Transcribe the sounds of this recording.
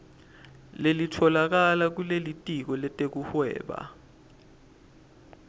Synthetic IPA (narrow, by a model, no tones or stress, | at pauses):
lelitʰɔlak̬alak̬ulelitʼik̬ɔlɛtʼek̬uhwɛ̰ːɓa̰